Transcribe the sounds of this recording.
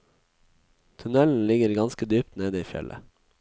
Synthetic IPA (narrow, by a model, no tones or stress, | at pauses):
t̪ʰʉnɛln̩lɪɡəɾɡɑnskəd̪yːp̚t̪neːd̪əiːfjɛ̰lʔə̰